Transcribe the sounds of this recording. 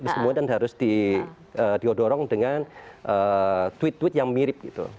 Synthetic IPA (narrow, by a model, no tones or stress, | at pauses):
bəsəmuadanɦaɾʊsd̥i | əːdiodoɾɔŋdəŋanʔət̪wɪt̪wɪt̪̚jaŋmiɾɪp̚ɡit̪ṵ